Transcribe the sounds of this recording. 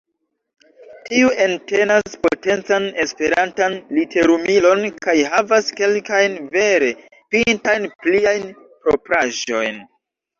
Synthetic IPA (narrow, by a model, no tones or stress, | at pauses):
tiuʔe̞nte̞naspo̞̰te̞nt͡sane̞spe̞ɾantanlitʰe̞ɾumilo̞nkajɦavaske̞lkajnve̞ɾe̞ | pintajnpliajn | pɾo̞pɾaʒo̞̰jn